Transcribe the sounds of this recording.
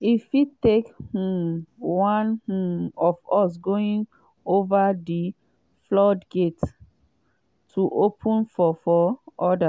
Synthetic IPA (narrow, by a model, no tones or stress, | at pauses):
ifitekhuwãnhuɔvɔs̬ɡoĩŋ | ovadi | flɔdɡet | tʰuʔopʰũnfɔfɔʔɔda